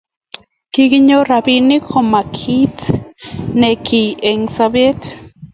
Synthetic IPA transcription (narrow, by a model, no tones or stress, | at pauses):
kikiɲoɾabinikomakʰit̪ | nekʰieŋsabet̪